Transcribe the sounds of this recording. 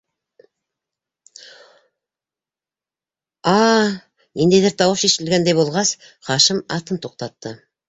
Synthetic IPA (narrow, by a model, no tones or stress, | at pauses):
ɑ | end̪ed̪ɪɾt̪ʰɑwəʃe̞ʃɪlɡʲend̪ejbo̞lˠʁɑs | χɑʃəmɑt̪ənt̪ʰo̞q̚t̪ɑt̪ːə